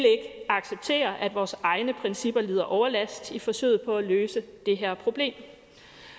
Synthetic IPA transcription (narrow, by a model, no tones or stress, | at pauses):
leɡ̥ɑ̈ɡ̥seb̥̚t͡sʰe̝̰ːɐʔæd̥ʋɒːsɑ̈ɪnəpʰʁɛnsib̥ɐliːðˠɐʔɒʊɐlæsɡd̥ifɒ̽sø̰ːɪpʰɒ̽æløːsəd̥e̝ɦæɐ̰pʰʁo̝b̥le̝̰ːm